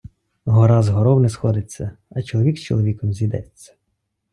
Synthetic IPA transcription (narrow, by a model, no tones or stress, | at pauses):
ɦɔɾɑzɦɔɾɔwnɛsxɔd̪ɪt͡sʲːɐɐt͡ʃɔlˠɔʋʲikst͡ʃɔlˠɔʋʲikɔmzʲid̪ɛ̰t͡sʲːɐ̥